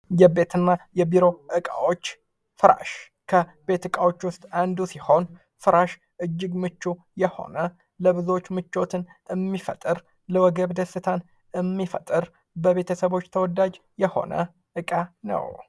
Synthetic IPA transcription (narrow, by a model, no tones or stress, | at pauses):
jɛbe̞t̪ʰɨnːajɛbiɾo̞ʔɨkʼa̰wot͡ʃː | fɨɾa̰ʃ | kʰəbe̞t̪ɨkʼawo̞t͡ʃːwʊst̪ʼand̪usiho̞n | fɨɾaʃ | ʔɨd͡ʒːɪɡmɨt͡ʃːu | jɛho̞̰nə | ləβɨzo̞t͡ʃːmɨt͡ʃːo̞t̪ʰɨnɨmːifə̰t̪ʼːɨɾ | ləwɔɡəβd̪əsɨt̪ʰan | ɨmːifət̪ʼːɨɾ | bəβe̞t̪ʰəsəβo̞t͡ʃːt̪ʰəwɔd̪ad͡ʒjɛho̞̰nə̰ | ʔɨkʼanə̰w